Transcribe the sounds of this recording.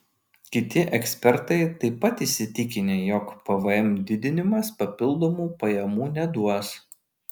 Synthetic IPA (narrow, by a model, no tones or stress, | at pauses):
kʲɪt̪ʲɪʔɛksʲpʲɛɾt̪ɐɪt̪ɐɪpːɐt̪isʲɪt̪ʲɪkʲɪnʲeːjɔkpɐʋɐɛmʲd̪ʲɪd̪ʲɪnʲɪmɐspɐpʲɪlˠd̪oːmuːpɐjɛmuːnʲɛd̪uɔs